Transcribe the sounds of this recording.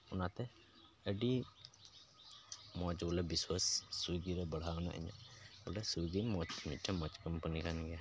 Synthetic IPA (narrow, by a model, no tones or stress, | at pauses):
ɔnat̪ɛ | əɖi | mɔt͡ʃbɔlɛbiswasːuɡiɾɛbəɽ̤aɔna̰ʔə̰ɲa̰ʔbɔlɛsuɡimɔt͡ʃmit̪̚ʈɛmɔt͡ʃkəmpənikanɡɛa